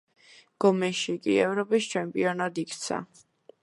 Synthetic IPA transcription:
ɡ̥ɔmɛʃikʼḭɛvɾɔpʼist͡ʃʰɛmpʼiɔnad̪ikʰt̪sʰa̰

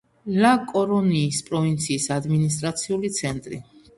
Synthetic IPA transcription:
lakʼɔɾɔniːspʼɾɔvint̪sʰiːsad̪minist̪ʼɾat̪sʰiulit̪sʰɛnt̪ʼɾḭ

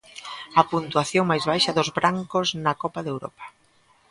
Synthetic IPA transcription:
ɐpunt̪waθjoŋmajzβajʃɐðʊzβɾaŋkʊznɐkɔpɐðewɾɔ̰pɐ̥

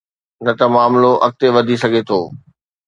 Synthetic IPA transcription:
nɐt̪ɐmaːmloʔɐk̚t̪eʋɐd̪ʱisɐɡʱet̪ʰoː

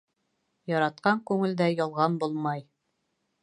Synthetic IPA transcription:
jɑɾɑt̪̚qɑŋkʉŋɘ̆ld̪æjɒlˠʁɑnbulˠmɑj

